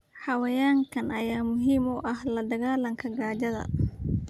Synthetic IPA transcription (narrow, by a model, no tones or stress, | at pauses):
ħɑwɐjaːŋkʰɐnɐjaːmʊɦiːmʊʔɐhlɐd̪ɐɣaːlɐŋkʰɐɡaːd͡ʒɐðɐ̰